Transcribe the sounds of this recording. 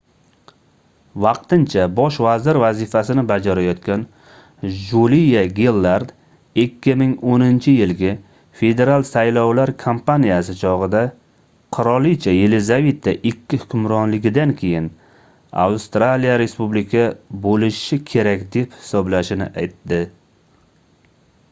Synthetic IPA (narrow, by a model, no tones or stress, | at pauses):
vɑqt̪ɪnt͡ʃʰabɒʃvazɪɾvazɪfasɪnɪbad͡ʒaɾajɒt̪kʲan | ʒulijaɡʲelˠːaɾd̪ | ɪkʲʰːɪmɪŋonɪnt͡ʃʰɪjɪlɡʲa | fe̞d̪e̞ɾalˠsajlɒwlaɾkʰompanijasɪt͡ʃʰɒʁɨd̪a | qʰʊɾɒlˠit͡ʃʰajelɪzave̞t̪ʰːaʔɪkʲʰːɪhʊkʲʰʊmɾɒnlɪɡʲɪd̪ankʲʰe̞jɪn | a̰wst̪ɾalijaɾe̞spublɪkʲʰabolɪʃɪkʲʰe̞ɾakʲd̪e̞phɪ̥sɒblaʃɪnɪ̰ʔajt̪ːɪ